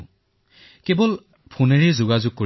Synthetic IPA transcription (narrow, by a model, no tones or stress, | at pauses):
kɛbɔl | pʰuneɹizʊɡazʊɡ̚ko